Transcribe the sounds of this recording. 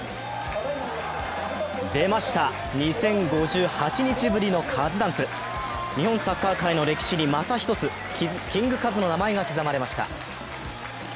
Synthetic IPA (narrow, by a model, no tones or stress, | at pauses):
d̪e̞maɕi̥t̪a | ɲ̟isẽ̞ŋɡo̞ʑɨːhat͡ɕiɲ̟it͡ɕibɯ̟ɾʲino̞kʰazɨd̪ãñsɨ | ɲ̟ihõ̞ñsakːaːkaino̞ɾe̞kʲi̥ɕiɲʲimat̪açʲi̥t̪o̞t͡sɨ | kʲĩŋɡɯ̟kazɨno̞namae̞ɡakʲizamaɾe̞maɕi̥t̪a̰